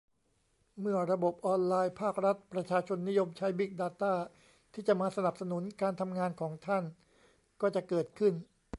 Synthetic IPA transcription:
mɯ˥˩ɐɾa˧bo˨˩p̚ʔɔː˧nlaː˧jpʰaː˥˩k̚ɾa˦˥t̪̚pɾa˧t͡ɕʰaː˧t͡ɕʰo˧nːi˦˥jo˧mt͡ɕʰa˦˥jbi˦˥˩k̚daː˧t̪aː˥˩ | t̪ʰiː˥˩t͡ɕa˨˩ʔmaː˧sa˧na˨˩p̚sa˧nu˩˦nkaː˧nt̪ʰa˧mŋaː˧nkʰɔː˩˦ŋt̪ʰa˥˩n | kɔː˥˩t͡ɕa˨˩kɤː˨˩t̪̚kʰɯ˥˩n

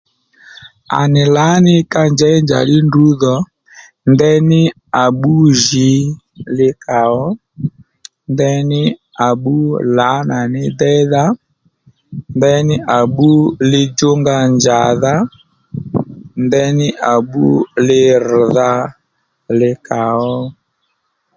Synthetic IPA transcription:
a̰˨nɪ˨la˨˦nɪ˦ka˦nd͡ʒɛ˨˦nd͡ʒa̰˨lɪ˦ndu˨˦ðɔ˨ | ndɛ˦nɪ˦ | a˨ɓu˦ʒi˨˦ | lɪ˦ka˨ɔ˦ | ndɛ˧nɪ˦ | a˨ɓu˦la˨˦na˨nɪ˦dɛ˦ða˦ | ndɛ˦nɪ˦ʔa˨ɓu˦lɪ˧d͡ʒo˦ŋɡa˧nd͡ʒa˨ða˦ | ndɛ˦nɪ˦ʔa˨ɓṵ˦lɪ˧r̩˨ða˧˦ | lɪ˧ka˨ɔ˦

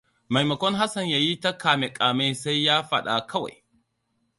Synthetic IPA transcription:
ma˨jmɐ˨kʷɔ˦ŋɦa˦sɐ˨ɲjaː˨ji˦ta˦kaː˨me˨kʼaː˨me˦sa˦jjaː˦ɸɐ̰˦ɗa̰˨kʰɐ˦wa̰˨j

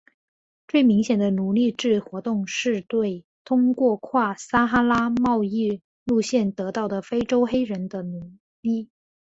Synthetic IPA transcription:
t͡swe˥˩ɪmi˧˥ŋɕjɛ˨˩nd̪ə˦nu˧˥li˥˧ʈ͡ʂɻ̩˥˩xwɔ˧˥t̪ʊ˥˧ŋʂɻ̩˥˧t̪we˥˩ɪ | t̪ʰʊ˥ŋkwɔ˥˧kʰwa˥˩sa˥xa˥la˥mɑ˥˧ʊi˥˧ | lu˥˧ɕjɛ˥˩nt̪ɤ˧˥t̪ɑ˥˩ʊd̪ə˩fe˥ɪʈ͡ʂo˥ʊxe˥ɪɻə˧˥nd̪ə˧nu˨˧˩ | li˥˩

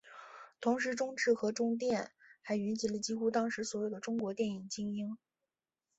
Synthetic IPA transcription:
t̪ʰʊ˧˥ŋʂ̬ɻ̩˧˥ʈ͡ʂʊ˥ŋʈ͡ʂɻ̩˥˩xɤ˧˥ʈ͡ʂʊ˥ŋt̪̬jɛ˥˩nxa˧˥ɪy˧˥t͡ɕi˧˥lə˧t͡ɕi˥xu˥t̪ɑ˥ŋʂɻ̩˧˥swɔ˧˥jo˨˩ʊd̪ə˦ʈ͡ʂʊ˥ŋkwɔ˧˥t̪jɛ˥˩ni˨˩ŋt͡ɕi˥ŋi˥ŋ

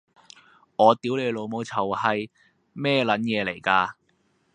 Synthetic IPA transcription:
ŋɔː˨˧t̪iː˨˥wle˨˧jlo˨˧wmo˨˧wt͡sʰɐ˨˩whɐ˨j | mɛː˥lɐ˨˥njɛː˨˧le˨˩jkaː˧

